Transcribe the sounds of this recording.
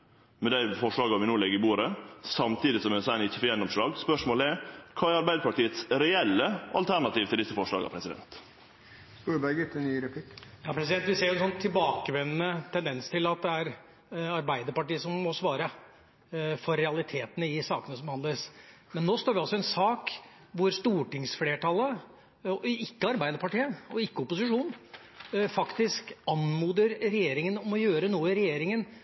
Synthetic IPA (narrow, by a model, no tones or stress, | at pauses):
mɛd̪æɪfɔʂɭɑːɡɑʋɪnoːlɛɡəɾɪbuːɾəsɑmt̪ʰiːd̪ɪsɔmɛsæɪnɪçːəfɔɾjɛnːɔmʂɭɑːɡspœʂmoːlɛkʰɑːæɾɑɾbæɪd̪əɾpɑʈiːət̪sɾɛɛlːəɑ̰lt̪ʰæɳɑt̪iːʋt̪ʰɪld̪ɪsːəfɔʂlɑ̰ːɡɑ̰pʰɾɛsɪd̪ɛ̰nt̪ | sp̪uːɾbæɪɡət̪ɛnyːɾɛplɪkjɑːpʰɾɛs̬ɪd̪ɛnt̪ʋɪseːɾjʊɛnsɔnt̪ʰɪlbɑːkəʋɛnnət̪ʰɛnd̪ɛnst̪ʰɪlɑt̪̚d̪ɛæɾ | ɑɾbæɪd̪əɾpɑʈiːəsɔmːɔsʋɑːɾə | fɔɾːɛɑlɪt̪ʰeːt̪ənəɪsɑːkənəsɔmhɑnd̪əɾsmɛnːoːst̪oːɾʋɛɑlsɔɛnsɑːkʋʊɾst̪uːʈɪŋsfleːʈʰɑlːə | ɪkːəɑɾbæɪd̪əɾpɑʈiːəɔɪkːəɔpʊsɪʂuːn | fɑkt̪ɪskɑnmuːd̪əɾɾɛjeːɾɪŋənɔmɔjøːɾənuːəɪɾɛjeːɾɪŋən